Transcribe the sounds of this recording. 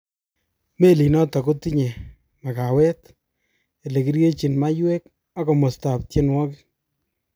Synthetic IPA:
me˦li˨nɔ˦tɔ˨ko˦ti˦ɲe˨ | ma˨ka˨wɛ˦t | e˨le˨ki˦ɾje˦t͡ʃi˨nma˦jwe˦k̚ | a˦kɔ˨mo˨sta˨p̚tje˦nwɔ˦kɪ˦

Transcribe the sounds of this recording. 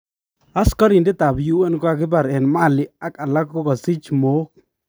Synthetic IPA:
a˦skɔ˦ɾi˨ndɪ˦ta˨bju˦wɛ˦nkwa˦kɪ˦ba˨ɾɛ˨nma˦˨lɪ˦a˦ka˨la˦kːo˦kɔ˨si˦t͡ʃmo˨˦k̚

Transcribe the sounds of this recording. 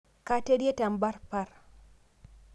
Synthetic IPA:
ka˦te˦di˦e˦ta˨mba˦ɾpa˦ɾ

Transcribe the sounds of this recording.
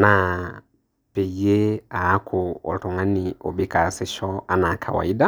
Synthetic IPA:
na˨ | pe˨i˨˦e˦a˨˦kʰʊ˨ɔ̰˨tɔ˨ŋã˦nɪ˨o̰˨bi˦ka˨sɪ˦ʃɔ˦a˨na˨kʰa̰˨wa̰˨i˦da˦

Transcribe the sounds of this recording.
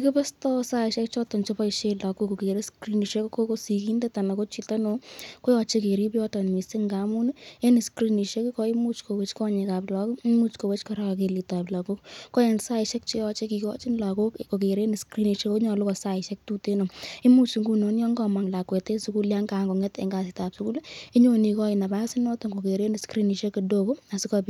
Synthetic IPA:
i˦kɪ˦pɛ˦stɔ˦sa˦ɪʃɛ˦k̚t͡ʃɔ˦tɔ˨nt͡ʃe˦pa˦ɪ˨ʃe˧la˨ku˦ko˨ke˨ɾe˦skɾi˦ni˨ʃe˦kko˦ko˦si˨ki˦nde˦ta˨na˨ko˦t͡ʃi˨ta˦no˨ko˦jɔ˧t͡ʃe˦ke˨ɾi˦pjɔ˦tɔ˨n˨mi˨se˦ŋɡa˨˦mu˦n˦e˦nɪ˨skɾi˦ni˨ʃe˦ki˦kɔ˦ɪ˦mu˦t͡ʃko˨we˦t͡ʃkɔ˦ɲe˨ka˨pla˨kʊ˦i˦mu˦t͡ʃko˨we˦t͡ʃkɔ˦ɾa˦kke˨li˨ta˨pla˨ku˦kkɔ˦je˨nsa˦ɪ˨ʃɛ˦k̚t͡ʃe˦jɔ˧t͡ʃe˦ki˨kɔ˦t͡ʃi˦nla˨ko˦kko˨k̬e˨ɾe˦ni˨skɾi˦ni˨ʃe˦ko˦ɲɔ˨lʊ˦kɔ˨sa˦ɪ˨ʃɛ˦k̚tu˦te˦no˨i˦mu˦t͡ʃi˧ŋɡu˦no˦njɔ˦ŋɡɔ˨ma˨ŋla˨kwe˨te˦su˦ku˦lja˦ŋɡa˨ŋɡo˨ŋɛ˦tḛ˨ŋɡa˨sɪ˨ta˨psu˦ku˦li˦ɲo˨ni˨˧kɔ˦ɪ˨na˨ba˦si˦nɔ˦to˨ŋɡo˨ke˨ɾe˦ni˨skɾi˦ni˨ʃe˦ki˨do˦ko˦a˨si˦kɔbi˦

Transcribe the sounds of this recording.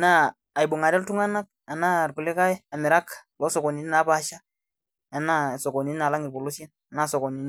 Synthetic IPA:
naː˦˨ | jbu˨ŋa˨dɛ˦ltu˦ŋa˦na˦k̚a˨na˦˨ɾku˨le˦ka˦ji˦a˨mi˨ɾa˦klo˦sɔ˨ko˨ni˨ni˦na˨˦ba˨ʃa˦ | a˨na˦˨so˨ko˨ni˦n˦na˨la˦ŋi˨bo˨lu˦sje˦n | a˨na˦so˨ko˨ni˨n˦

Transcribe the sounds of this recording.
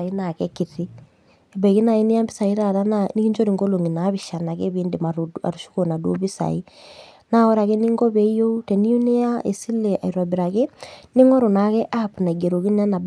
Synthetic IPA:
ina˨kɛki˨ɾi | e˨bɛ˨ki˦na˨i˦ne˦a˦mbi˦sa˨i˦ɾaɾa˦nani˦ki˦ɲd͡ʒo˦ɾiŋɡolo˨ŋi˨na˨˦βiʃa˨na˨keβiːndemaɾa̰˨ɾuʃu̥kona˨du˦o̰˦βi˦sa̰ina˦ɔ˦ɾa˨ke˦ni˦ŋɡo˦βɛ˦ijo˦utɛ˨ni˦u˦ne˦a˦ʔe˨si˦le˨ʔa̰˨iɾa˨biɾake˦ni˦ŋɔ˦ɾo˨na˨kɛ˦ʔapuna˨i˨ɡe˨ɾo˨ki˦nɛ˦na˨b

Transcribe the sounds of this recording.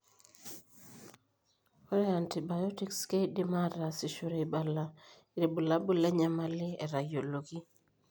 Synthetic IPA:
o˦ɾɛ˦a˨nti˨ba˨jɔ˦ti˦kske˦di˦ma˦ɾa˨si˨ʃo˨ɾe˨i˨ba˨la˦ | i˨ɾe˨bu˨la˦bu˦lɛ˦ɲa˨ma˦lɪ˦ɛ̰˨ɾa˨jo˨lo˨ɡi˦

